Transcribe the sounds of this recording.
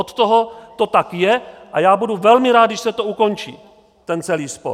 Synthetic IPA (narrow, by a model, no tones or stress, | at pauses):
ot̪t̪oɦot̪o̞t̪akjɛʔajaːbuduvɛlmɪɾaːd̪dɪʃsɛt̪ouko̞nt͡ʃḭː | t̪ɛnt͡sɛliːspo̰